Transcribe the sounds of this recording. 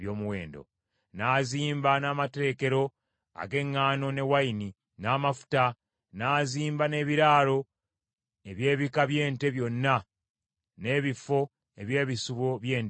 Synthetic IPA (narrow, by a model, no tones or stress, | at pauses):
jo̞ːmuwe̞̰ːndo̞̰ | naːziːmbanaːmateːke̞ɾo̞ | a̰ɡe̞ŋːaːno̞ne̞waini | naːmafu̥ta | naːziːmbane̞ːβiɾaːlo̞ | e̞βje̞ːβikaβje̞ːnte̞βjo̞nːa | ne̞ːβifo̞ | e̞βje̞ːβisuβo̞βje̞ːn